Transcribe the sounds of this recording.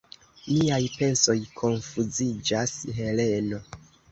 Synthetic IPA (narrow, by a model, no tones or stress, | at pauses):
miajpe̞nso̞jkʰo̞nfuzid͡ʒasɦe̞le̞no̞